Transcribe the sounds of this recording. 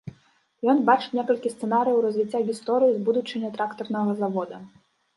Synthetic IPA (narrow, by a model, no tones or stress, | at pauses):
jɔnbat͡ʂɨ̥wʲnʲɛkɐlʲkʲist̪sɛnaɾɨjɐwɾɐzʲvʲit͡sʲːaɣʲist̪ɔɾɨjizbud̪ut͡ʂɨnʲːɐt̪ɾakt̪ɔrnɐɣɐzavɔd̪ɐ